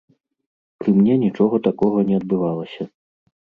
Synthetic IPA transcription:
pɾɨmnʲɛnʲit͡ʂɔɣɐt̪akɔɣɐnʲɛɐd̪̚bɨvalˠɐsʲɐ

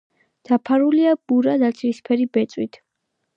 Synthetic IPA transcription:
d̪̥apʰaɾuliab̥uɾad̪at̪sʰʼiɾispʰɛɾibɛt̪sʼwit̪ʰ

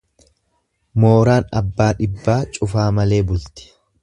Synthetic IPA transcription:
mo̞ːɾaːnɐ̰bːaːᶑɪbːaːt͡ʃʼʊfaːmɐle̞ːbʊlt̪ɪ̥

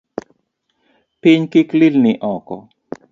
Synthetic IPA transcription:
pɪɲkiklilnɪʔɔkɔ

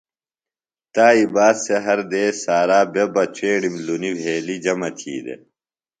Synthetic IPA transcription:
t̪aːibaːd̪seɦɐɾd̪eːsaːɾaːbebɐt͡ɕʰeːɽimlunibʱeːlid͡ʑɐmɐt̪ʰḭːd̪ḛ

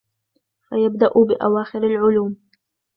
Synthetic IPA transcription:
fajab̚d̪aʔʊbɪʔawaːxɪɾalʕʊluːm

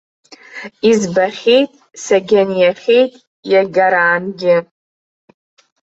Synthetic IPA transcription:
izbaχʲejtʼ | saɡʲanjaχʲejtʼ | jaɡʲaɾaːnɡʲɪ

